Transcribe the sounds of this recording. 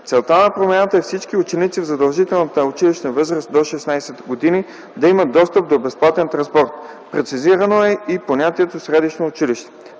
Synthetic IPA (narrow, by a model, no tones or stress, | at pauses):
tsɛlˠt̪anɐpɾomɛnat̪əɛfsit͡ʃkiʊt͡ʃɛnit̪sivzɐd̪ɐlˠʒit̪ɛlˠnət̪əʊt͡ʃiliʃnəvɤzɾəst̪̚d̪oʃɛsnajsɛt̪ɡod̪ini | d̪ɐimət̪ːɔst̪əp̚d̪obɛsplˠat̪ɛnt̪ɾɐ̃nspɔɾt̪ | pɾɛt̪siziɾɐnoɛiponʲat̪iɛt̪osɾɛd̪iʃnoːt͡ʃiliʃt̪ɛ̥